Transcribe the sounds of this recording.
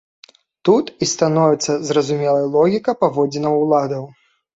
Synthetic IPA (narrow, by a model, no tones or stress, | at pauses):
t̪ut̪ist̪anɔvʲɛt̪sːɐzrɐzumʲɛlˠɐjɐlˠɔɣʲikɐpavɔd͡zʲɛnɐlˠad̪ɐw